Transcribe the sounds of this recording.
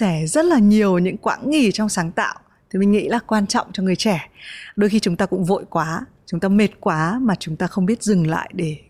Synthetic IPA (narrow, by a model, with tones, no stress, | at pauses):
sɛ˧˩zə˦˥t̚laː˨˩ɲi˨˩əwɲɨ̰˧˥ŋkwa̰ː˨˦nŋi˨˩t͡ɕwŋ͡msaː˨˦ŋt̪a̰ː˧˨w | t̪ʰi˨˩mï̟˨˩ŋḭ˧˥laː˨˩kwaː˧nt͡ɕɔ̰˧˨wŋ͡mt͡ɕɔ˧ŋɨ˨˩əjt͡ɕɛ˧˩ɗo˧jxi˧t͡ɕʊ˨˦ŋ͡mt̪aː˧kʊ̰˧˥ŋ͡mvo̰˧˨jkwaː˨˦t͡ɕʊ˨˦ŋ͡mt̪aː˧me˨˩t̚kwaː˨˦maː˨˩t͡ɕʊ˨˦ŋ͡mt̪aː˧xə˧wŋ͡mɓi˦˥ət̚zɨ˨˩ŋla̰ː˧˨jɗe˧˩